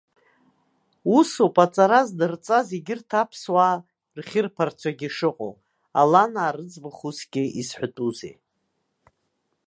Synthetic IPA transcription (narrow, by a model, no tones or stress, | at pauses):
usopʼat͡sʼaɾazdɨrt͡sʼazeɡʲɪrtʰapʰswaː | rχʲɪrpʰart͡ʃʷʰaɡʲiʂɨqʼo̰w | alanaːɾɨt͡sʼbɨχusɡʲɪizħʷʊtʼuzḛj